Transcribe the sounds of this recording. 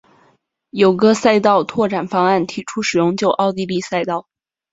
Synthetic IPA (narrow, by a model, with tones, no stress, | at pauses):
jo˨˩ʊɡə˦sa˥˧ɪt̪ɑ˥˧ʊt̪ʰwɔ˥˩ʈ͡ʂa˨˩nfɑ˥ŋa˥˩nt̪ʰi˨˧˥ʈ͡ʂʰu˥ʂɻ̩˨˩jʊ˥˧ŋt͡ɕjo˥˧ʊʔɑ˥˧ʊt̪i˥˧li˥˧sa˥˧ɪt̪ɑ˥˩ʊ